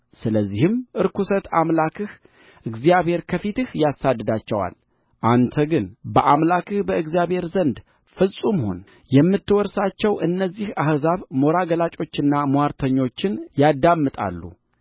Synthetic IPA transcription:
sɨləzːihɨmʔɨɾkʰusət̪ʰamlakʰɨh | ʔɨɡzijaβhe̞ɾkʰəfit̪ɨhjasad̪ːɨd̪at͡ʃːɛwa̰l | ʔant̪ʰəɡɨnbəʔamlakɨhbəʔɨɡzijaβhe̞ɾzənd̪ | fɨsʼumho̞̰n | jɛmːɨt̪ːɨwɔɾsat͡ʃːɛwʔɨnːəzːihahzaβmo̞ɾaɡəlat͡ʃʼo̞t͡ʃːɨnːamoaɾt̪ʰəɲːo̞t͡ʃːɪnjad̪amːɨt̪ʼa̰lːṵ

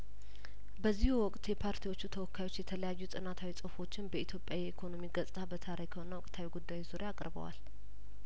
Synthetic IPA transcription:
bəzːihuwɔkʼt̪jɛpʰaɾt̪ʰiwo̞t͡ʃːut̪ʰəwɔkʰːajwo̞t͡ʃːjɛt̪ʰələjajːut̪ʼɨnat̪ʰawit͡sʼɨfo̞t͡ʃːɪnbəit̪ʰjo̞pʼjajɛikʰo̞no̞miɡəsʼt̪ʰabət̪ʰaɾekʰəho̞nəwɔkʼt̪ʰawiɡud̪ːajuzuɾjaːkʼɾbə̰wa̰l

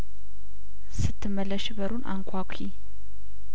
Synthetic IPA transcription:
sɨt̪ʰːɨmːəlːəʃbəɾunʔa̰ŋkʷʰakʷʰi

